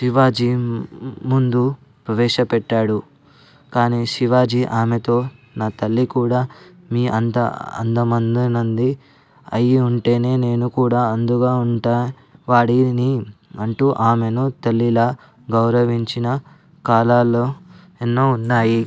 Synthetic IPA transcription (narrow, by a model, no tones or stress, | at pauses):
ʃiʋaːd͡ʒi | mund̪u | pɾɐʋɛːʂɐpɛʈːaːɽu | kaːniːʃiʋaːd͡ʒiʔaːmet̪o̞ː | naːt̪ɐlːikuːɽaː | miːʔɐnt̪ɐ̰ɐ̰nd̪ɐmɐnd̪inɐnd̪i | ɐjiuɳʈe̞ːne̞ːne̞ːnukuːɽaːɐnd̪uɡaːuɳʈaː | ʋaːɽiniɐɳʈuʔaːme̞nut̪ɐlːilɐ | ɡɐwɾɐʋiɲt͡ʃinɐ | kaːlaːlːoː | enːoːunːaːji